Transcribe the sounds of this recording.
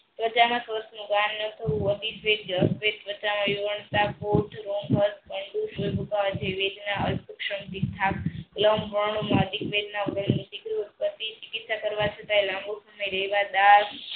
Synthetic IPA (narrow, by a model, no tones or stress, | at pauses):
t̪ʋət͡ʃamãsʋəsnũɡanːət̪ʰəʋũəd̪isʋeɖd͡ʒəsʋet̪ʋət͡ʃamãʋiʋəɳt̪apot̪ʰɾonɦəɾt̪kəɳɖuʃulbʱukaʋat͡ʃʰeʋed̪naəlpəkʃəmt̪it̪ʰakːləmbəɳ̃ũmad̪ikʋed̪naɡləmnisiɡɾut̪̚pət̪it͡ʃɪkit̪sakəɾʋat͡ʃʰət̪ajlãmbusəmaiɾəɦiʋad̪aɾ